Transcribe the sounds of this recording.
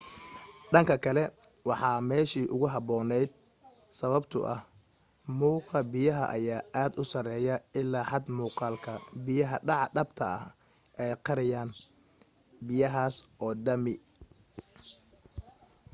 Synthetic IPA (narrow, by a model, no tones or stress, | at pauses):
ɖɐŋkʰɐkʰɐlɛ | wɑħɑːmɛːʃiːʔʊɣʊɦɑbɔːnɛjd̪̚ | sɐβɐbt̪ʰʊ̰ʔɐh | muːqɑbɪjɐɦɐ̰ʔɐjaːʔaːd̪ʊsɐrɛːjɐɪlːaːħɑd̪muːqɑːlkʰɐbɪjɐɦɐɖɑʕɑɖɐbt̪ʰɐɐ̰h | ʔɛjqɑɾɪjaːn | bɪjɐɦaːsʔɔːd̪ɐmɪ